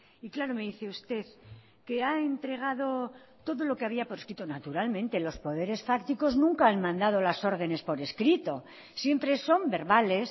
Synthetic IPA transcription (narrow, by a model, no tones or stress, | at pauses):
iklaɾo̞me̞ðiθeust̪e̞ð | ke̞aent̪ɾe̞ɣ̞aðo̞ | t̪o̞ðo̞lo̞keaβiapo̞ɾeskɾit̪o̞nat̪uɾalmẽ̞nt̪e̞lo̞spo̞ð̞e̞ɾe̞sfakt̪iko̞znũŋkaanmãnd̪að̞olaso̞ɾð̞e̞ne̞spo̞ɾe̞skɾit̪o̞ | sje̞mpɾe̞so̞mbe̞ɾβale̞s